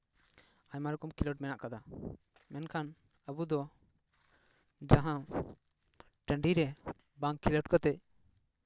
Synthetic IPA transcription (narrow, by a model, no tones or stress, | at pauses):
aɲmaɾukumkiləʈ̚mɛnaʔkad̪a | mɛnkʰan | əbud̪ɔ | d͡ʒaɦã | ʈɛ̃ɳɖiɾɛ | baŋkiləʈ̚kɔt̪ɛc̚